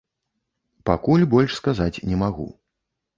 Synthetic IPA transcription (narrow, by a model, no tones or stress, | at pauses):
pakulʲbɔlʲʂskazat͡sʲnʲɛmaɣṵ